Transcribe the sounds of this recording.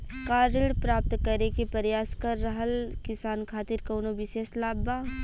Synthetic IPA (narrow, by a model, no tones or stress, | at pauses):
kaːɾɪɽpɾaːp̚t̪kɐɾekepɐɾjaːskɐɾːɐɦəlkɪsaːnkʰaːt̪ɪɾkɐːnoʋɪʃeːslaːbːaː